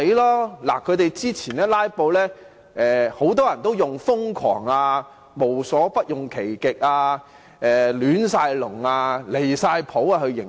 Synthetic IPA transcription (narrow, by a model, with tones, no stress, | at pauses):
e˨˧˥lɔː˥la̰˨˩kʰɵ˨˧t̪e˨jt͡siː˥t͡sʰiː˨˩nɛː˥laː˥jpo˧wlɛː˥ | ʔɛː˨ho˨˥wt̪ɔː˥jɐ˨˩nt̪o˥wjʊ˨ŋfʊ˥ŋkʰɔ̰ː˨˩ŋaː˧ | mo˨˩wsɔː˨˥pɐ˥t̚jʊ˨ŋkʰe˨˩jkɪ˨k̚aː˧ | ɛː˨lyː˨˥nsaː˧jlʊ˨˩ŋaː˧le˨˩jsaː˧jpʰo˨˥wa˧ɦɵ˧ɥjɪ˨˩ŋ